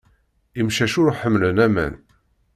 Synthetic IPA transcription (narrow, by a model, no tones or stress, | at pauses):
imʃæʃʊɾħəmːlənæmæ̰n